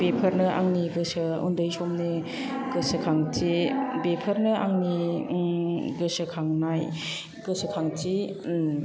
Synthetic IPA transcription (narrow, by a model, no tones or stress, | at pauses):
bepʰəɾnɯʔa̰ŋniɡɯsɯṵndɯjsɔmne | ɡ̥ɯsɯkʰaŋtibepʰəɾnɯʔa̰ŋni | ɡɯsɯkʰaŋnaj | ɡɯsɯkʰaŋti